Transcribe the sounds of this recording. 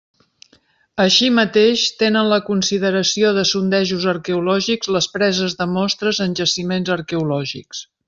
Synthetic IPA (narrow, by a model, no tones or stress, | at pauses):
əʃimət̪eʃt̪enənləkunsiðəɾəsioðəsund̪ɛʒuzəɾkəulɔʒiɡzləspɾɛzəzðəmɔst̪ɾəzənʲʒəsimenzəɾkəulɔʒiks